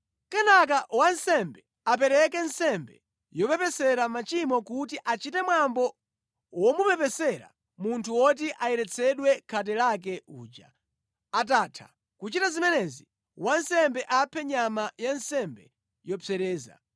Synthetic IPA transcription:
kɛnak̬awansɛmbɛ | ap̬ɛɾɛk̬ɛnsɛmbɛ | jɔpɛpɛsɛɾamat͡ʃimɔkutiʔat͡ʃitɛmwambɔ | wɔmupɛpɛsɛɾa̰ | muntʰuwɔt̬iʔajɛɾɛt͡sʰɛɗwɛkʰat̬ɛlak̬ɛuːd͡ʒa̰ | ataːtʰḁ̰ | kut͡ʃitazimɛnɛzi | wansɛmbɛʔapʰɛɲamajansɛmbɛ | jɔpɛɾɛːza̰

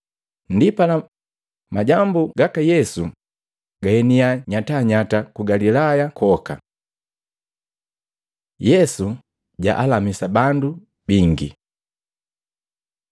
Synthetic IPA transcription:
ndipala | maɟambuɡakajɛsu | ɡ̥aɛniaɲataɲatakuɡalilajakʰɔka̰ | jɛsu | ɟa̰ʔalamisabandu | biŋɡḭ

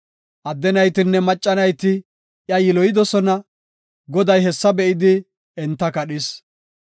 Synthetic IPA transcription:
ʔɐd̪ːɛnɐjt̪ɪnːɛmɐt͡ʃʼːɐnɐjt̪ɪ | jɐjɪlɔjɪd̪ɔsɔnɐ | ɡɔd̪ɐjɦɛsːɐbɛʔɪd̪ɪ | ɛnt̪ːɐkɐɗɪs

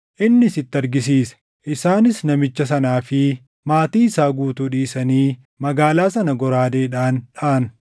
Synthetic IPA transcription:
ʔɪnːɪsɪt̪ːɪɐɾɡɪsiːsɛ̥ | ʔɪsaːnɪsnɐmɪt͡ʃːɐs̬ɐnaːfɪ | maːt̪iːɪsaːɡuːt̪uːᶑiːsɐniː | mɐɡaːlaːsɐnɐɡɔɾaːd̪e̞ːᶑaːnᶑaːn

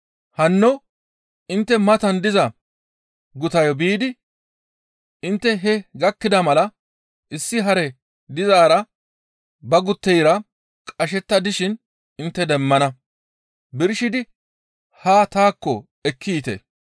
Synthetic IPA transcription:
hɐnːɔ | ɪnt̪ːɛmɐt̪ɐnd̪ɪzɐ | ɡʊt̪ɐjɔbiːd̪ɪ | ɪnt̪ːɛɦɛɡɐkːɪd̪ɐmɐlɐ | ʔɪsːɪɦɐɾɛ | d̪ɪzaːɾɐ | bɐɡʊt̪ːɛjɾɐ | kʼɐʃ̬ɛt̪ːɐd̪ɪʃɪn | ɪnt̪ːɛd̪ɛmːɐnɐ | bɪɾʃɪd̪ɪ | haːt̪aːkːɔ | ɛkʰːiːt̪ḛ

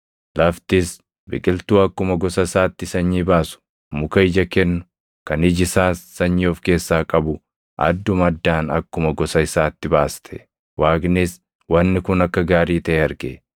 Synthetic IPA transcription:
lɐft̪ɪs | bɪ̰kʼɪlt̪uːɐkːʊmɐɡɔsɐɪsaːt̪ːɪsɐɲːiːbaːsʊ̥ | mʊkɐɪd͡ʒɐkɛnːʊ̥ | kɐnɪd͡ʒɪsaːsːɐɲːoːfke̞ːsːaːkʼɐbʊ | ʔɐ̰d̪ːʊmɐd̪ːaːnɐkːʊmɐɡɔsɐɪsaːt̪ːɪbaːst̪ʰɛ̥ | waːɡnɪs | wɐnːɪkʊnɐkːɐɡaːɾiːt̪ɐʔɛɐɾɡe

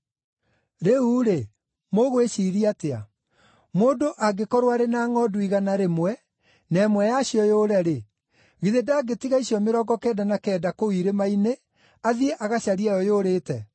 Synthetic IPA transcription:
ɾeuːɾe | moɣweʃiɾiatea̰ | moːndoʔaɡekɔɾwaɾenaːŋɔduiɣanaɾemwɛ | nɛmwɛjaɕjɔjoːɾɛɾe | ɣiðedaɡetiɣaiɕiɔmeɾɔːɡɔkɛːdanakɛːdakowiɾemaine | aðieʔaɣaɕaɾiajɔjoːɾeːtɛ

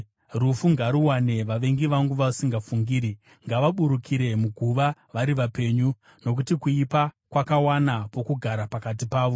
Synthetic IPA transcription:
rufuŋɡaɾuwane̞ʋaʋe̞ŋɡiʋaŋɡuʋaʋasiŋɡafuŋɡiːɾi | ŋɡaʋaɓuɾukʰiɾe̞muɡʱuʋaʋaɾiʋape̞ɲu | no̞k̬utikuipa | kwakawanapo̞kuɡʱaɾapakat̬ipaːʋo̞

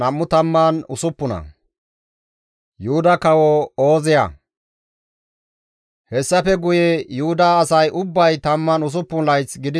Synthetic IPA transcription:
ɐmːʊt̪ɐmːaːnʊ̰sʊpːʊnɐ̰ | jʊhʊd̪ɐkɐwɔoːzɪjɐ̰ | hɛsːɐfɛɡʊjejʊhʊd̪aːsɐjʔʊbːɐjt̪ɐmːaːnʊs̬ʊpːʊnlɐjt͡sɡɪd̪ɪ

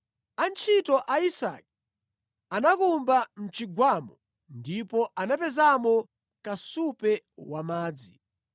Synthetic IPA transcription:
ant͡ʃʰitɔʔaisa̰k̚i̥ | anakumbam̩t͡ʃiɡwamɔ | ndipɔʔanapɛzamɔ | kasupɛwamaːd͡zi

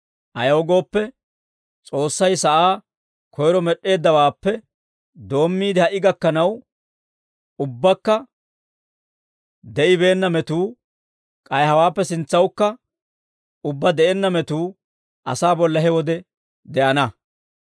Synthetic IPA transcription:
ʔɐjɐɔɡo̞ːpːɛ | t͡sʼo̞ːsːɐjsɐʔaː | kʰɔjɾɔmɛɗe̞ːd̪ːɐwaːpːɛ | d̪o̞ːmːiːd̪ɪhɐʔɪɡɐkːɐnɐw | ʊbːɐkːɐ | d̪ɛʔɪbe̞ːnːɐmɛt̪uː | kʼɐjhɐwaːpːɛsɪnt͡sːɐwkːɐ | ʊbːɐd̪ɛʔenːɐmɛt̪uː | ʔɐ̰saːbɔlːɐɦɛwɔd̪ɛ | d̪ɛʔɐnɐ

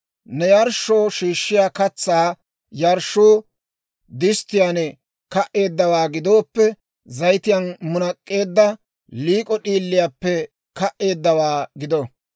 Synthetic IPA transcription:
nɛjɐɾʃːoːʃiːʃːɪjaːkɐt͡sːaː | jɐɾʃːoː | d̪ɪst̪ːɪjanɛ | kɐʔe̞ːd̪ːɐwaːɡɪd̪o̞ːpːɛ | zɐjt̪ɪjɐnmʊnɐkʼːe̞ːd̪ːɐ | liːkʼɔɗiːlːɪjapːɛ | kɐʔe̞ːd̪ːɐwaːɡɪd̪ɔ

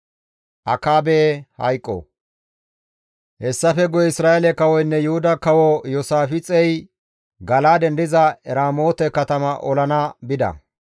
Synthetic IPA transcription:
ʔɐkaːbeːhɐjkʼːo̰ | hɛsːɐfɛɡʊjɪsɾaːʔelɛkɐwɔjnːɛjʊhʊd̪ɐkɐwojɔsaːfɪt͡sʼɛj | ɡɐlaːd̪ɛnd̪ɪzɐɛɾaːmo̞ːt̪ɛkɐt̪ɐmɐʔɔlɐnabɪd̪ɐ̰

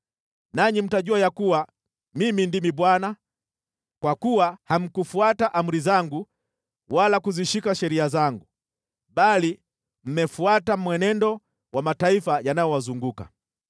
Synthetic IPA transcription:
naɲim̩taʄuajakuwa | mimindimiɓwana | kwakuwaham̩kufuataʔam̩ɾizaŋɡu | walakuziʃikaʃɛɾiazaŋɡu | ɓali | m̩mɛfuatamwɛnɛndɔ | wamataifajanajɔwazuŋɡuka̰

